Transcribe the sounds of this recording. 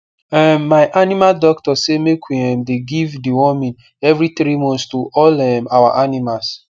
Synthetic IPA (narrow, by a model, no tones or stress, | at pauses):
ɛmːaɪʔanimaldɔktɔsemekwiɛ̃mdeɡivdiwɔmĩn | ɛvɾitɾimɔ̃nstuʔɔlɛmawa̰ʔanimals